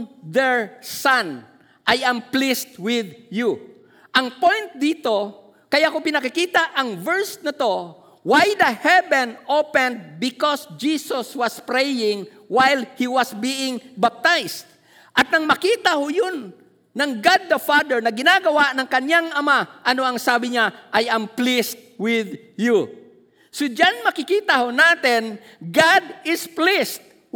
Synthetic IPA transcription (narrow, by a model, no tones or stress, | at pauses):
d̪ɛɹsan | ʔajamplist̪̚wɪd̪ju | ʔɐŋpojnt̪̚d̪iːt̪o̞ | kɐjakopɪnɐkɪkiːt̪aʔɐŋvɛɹsnɐt̪o̞ | wajd̪ɐhɛbɛ̃nʔopɛ̃nd̪̚bɪkɔsd͡ʒisoswɐspɾɛjɪŋ | wajlhiwɐsbiʔɪŋbap̚t̪ajst̪ | ʔɐt̪̚nɐŋmɐkiːt̪ɐhojonː | ɐŋɡad̪̚ːɐfad̪ɛɹnɐɡɪnaɡɐwaʔnɐŋkɐɲaŋʔɐmaʔɐno̞ɐŋsaːbɪɲaʔajamplist̪̚wɪð | ju | sʊd͡ʒanmɐkɪkiːt̪ɐhonaːt̪ɪn | ɡad̪ɪsplist̪̚